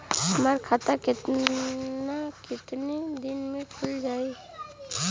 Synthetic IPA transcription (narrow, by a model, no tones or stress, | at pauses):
ɦəmaɾkʰat̪akɪt̪ | nakɪt̪nid̪inmẽkʰʊld͡ʒaːe